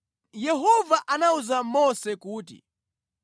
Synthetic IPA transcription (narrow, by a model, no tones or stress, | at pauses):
jɛɦɔvaʔanauzamɔsɛkuːtḭ